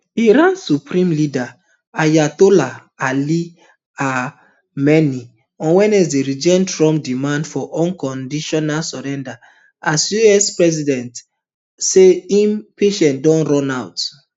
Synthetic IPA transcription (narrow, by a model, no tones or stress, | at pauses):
iɾãnsupɾĩmlida | ajatola | ali | a | mɛni | ɔ̃nwɛ̃nɛsdeɾid͡ʒɛ̃ntɹɔ̃mp̚dimãndfɔʔɔ̃nkɔ̃ndiʃɔnalsɔɾɛ̃nda | asjuɛspɹɛzidɛ̃nt | seĩmpeʃɛ̃ntdɔ̃nɹɔ̃nawt